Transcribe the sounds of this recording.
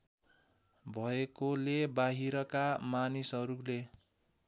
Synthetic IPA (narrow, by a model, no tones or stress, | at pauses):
bʱʌekolebaɦiɾʌkamanisʌɾule